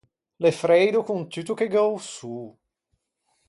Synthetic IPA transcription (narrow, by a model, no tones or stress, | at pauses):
lefɾɛjd̪okunt̪yt̪ukeɡawsuː